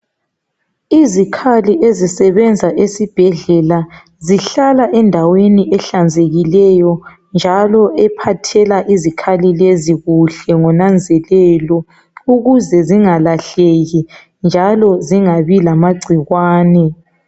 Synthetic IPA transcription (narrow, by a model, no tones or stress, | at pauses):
izikʰaliʔezisɛβɛnd͡zʱaʔesib̥ʱɛɮɛla | ziɬalaʔɛndʱaweniʔɛɬand͡zʱeɣilɛjɔ | nd͡ʒʱalɔɛpʰatʰɛlaʔizikʰalileziɣuɬɛŋɔnand͡zʱɛlɛlɔ | uɣuzɛziŋalaɬeɣi | nd͡ʒʱalɔziŋaβilamaɡ͡ǀʱiɣwaːnɛ